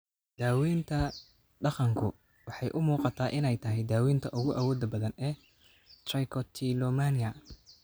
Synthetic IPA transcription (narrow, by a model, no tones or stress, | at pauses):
d̪̥aːwiːnt̪ʰɐ | ɖɑqɑŋkʰʊ | wɑħɑjʔʊmuːqɑt̪ʰaːʔɪnɛjt̪ʰɐɦɛjd̪aːwiːnt̪ʰɐʔʊɣʊʔawɔːd̪ɐbɐðɐnɛː | t̪rɛjkʰɔt̪ʰilɔːmanɪɐ